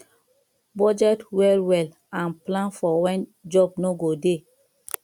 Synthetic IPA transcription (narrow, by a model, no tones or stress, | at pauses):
bɔd͡ʒɛtwɛlwɛl | ãnplãnfɔwɛ̃nd͡ʒɔb̚noɡode